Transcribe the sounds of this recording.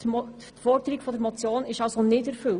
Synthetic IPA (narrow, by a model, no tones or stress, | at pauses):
fɔɾdəɾiɡfodəɾmot͡sjoːnɪʃaʊsonɪtɛɾfʏl